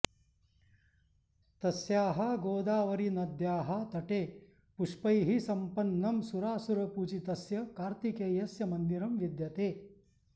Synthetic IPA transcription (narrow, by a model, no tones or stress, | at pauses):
t̪ɐsjaːɦɐɡoːd̪aːʋɐɾinɐd̪jaːɦɐt̪ɐʈeː | puʂpɐjɦisɐmpɐnːɐmsuɾaːsuɾɐpuːt͡ʃit̪ɐsjɐkaːɾt̪ikeːjɐsjɐmɐnd̪iɾɐmʋid̪jɐt̪eː